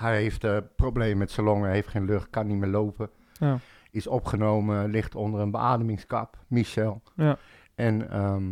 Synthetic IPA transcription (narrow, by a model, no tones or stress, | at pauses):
hɛjeftprowbleːməmɛtsaloŋheftxeːnløxt̚kanimɪːloːpə | ɪsɔpχənoːməlɪxtʰondərənbəaːdəmɪŋskapmiʃɛlˠ | ʔɛnə